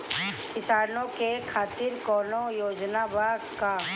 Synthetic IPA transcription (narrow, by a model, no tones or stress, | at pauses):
kɪsaːnõkekʰaːt̪ɪɾkɔːnojoːd͡ʒnabaːka